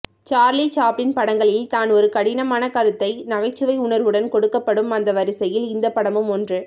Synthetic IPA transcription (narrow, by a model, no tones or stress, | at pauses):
t͡ʃaːɾlit͡ʃaːpːɪnpɐɽɐŋɡɐɭɪlt̪aːnɔɾɯkɐɽɪnɐmaːnɐkɐɾɯt̪ːɐɪnɐɣɐɪt͡ʃːɯʋɐɪʊɳɐɾʋɯɽɐnkɔɽɯkːɐpːɐɽɯmɐnd̪ɐʋɐɾɪsɐjɪlɪnd̪ɐpːɐɽɐmɯmɔndrɯ